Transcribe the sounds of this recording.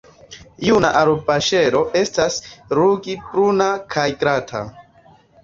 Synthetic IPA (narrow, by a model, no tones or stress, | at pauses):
junaʔaɾopaʃe̞ɾo̞ʔe̞stasɾuɡipɾunakʰajɡɾatʰa̰